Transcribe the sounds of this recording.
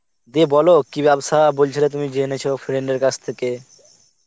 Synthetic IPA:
d̪ebɔlokibɛbsabolt͡ɕʰilat̪̬umid͡ʑenet͡ɕʰofɾeɳɖeɾkat͡ɕʰt̪ʰeke

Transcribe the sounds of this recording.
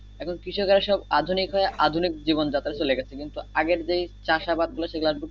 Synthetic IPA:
ɛkʰonkɾiʃʰokaɾeʃɔbad̪ʱunikɦɔeʔad̪ʱunik̚d͡ʑibond͡ʑat̪ːaɾet͡ɕoleɡɛt͡ɕʰekint̪uaɡeɾd͡ʑejt͡ɕaʃabad̪̚ɡuloʃeɡlaɖbuk

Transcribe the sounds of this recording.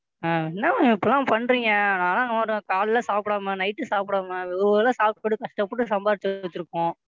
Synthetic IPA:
aːɛnːaɪpːɐlãːpɐnːɾiːŋɡɐɐnãːlãːnaɾɯ̃kaːɭlɐsaːpɪɽaːmɐnɐɪʈːɯsaːpɪɽaːmɐɪʋɐɐlɐsaːp̚ʈɯkːɔɽɯkɐʂʈɐpːɔʈːɯsɐmbaːɾt͡ʃːt͡ʃ̪ːɪɾɯkːʊ̃ː

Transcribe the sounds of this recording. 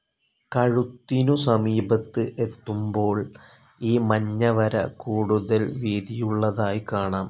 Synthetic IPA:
kɐɻut̪ːinusɐmiːbɐt̪ːɨʔe̞t̪ːumbo̞ːɭ | iːmɐɲːɐʋɐɾɐ̰kuːɽuðɐlʋiːd̪ijuɭːɐðaːjikaːɳaːm

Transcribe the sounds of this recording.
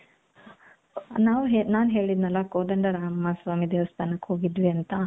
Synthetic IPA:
naːʋuɦenaːnɦe̞ːɭid̪nɐlːɐkoːd̪ɐɳɖɐɾaːmɐsʋaːmid̪eːʋɐst̪ʰaːnɐkːhoːɡid̪ʋiɐnt̪ɐ

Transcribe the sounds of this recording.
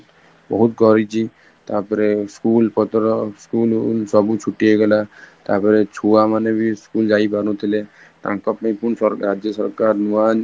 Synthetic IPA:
bɔ̰ɦut̪kɔɾit͡ʃʰi | t̪aɾpɔɾeskulpɔt̪ɾɔskulsɔbut͡ʃʰuʈieɡɛlat̪aɾpɔɾet͡ʃʰuamanebiskuld͡ʒaipaɾũt̪ʰile | t̪ã̰kɔpãĩpunsɔɾɾad͡ʒjɔsɔɾkaɾnuan

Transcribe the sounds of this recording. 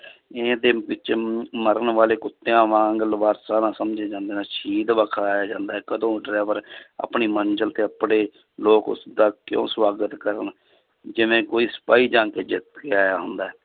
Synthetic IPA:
eːd̪eːbɪt͡ʃməɾəɳʋaːleːkʊt̪ːejãːʋãːŋɡəlʋaːɾsaːnãːsəmd͡ʒeːd͡ʒãːnd̪eːnãːʃiːd̪ʋəkʰaːjaːd͡ʒãːnd̪aːɛːkəd̪õːɖɾɛːʋəɾa̰ːpɳiːmənd͡ʒəlt̪eːəpɽeː | loːkʊ̰sd̪aːkjõ̰ːsʋaːɡət̪kəɾə̰n | d͡ʒɪʋẽːkoːiːsə̥paːiːd͡ʒãːkeːd͡ʒɪt̪keaːjaːɦʊnd̪aːɦɛː

